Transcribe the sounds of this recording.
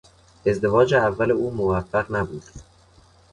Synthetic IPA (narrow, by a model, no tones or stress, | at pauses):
e̞zd̪e̞vɒːd͡ʒeævːæleuːmovæfːæʁnæbuːd̪̥